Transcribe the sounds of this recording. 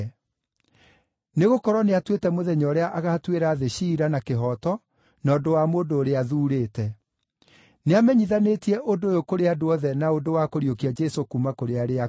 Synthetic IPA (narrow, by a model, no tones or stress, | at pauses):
neɣokɔɾɔneatwetɛmoðɛɲɔɾeaʔaɣaːtweɾaːðeɕiɾanakeɦɔtɔ | nɔːdowamoːndoːɾeaðuːɾeːtɛ | neamɛɲiðanetiɛʔodoːjokoɾeadoɔðɛnaodowakoɾiokiad͡ʒɛsokumakoɾeaɾea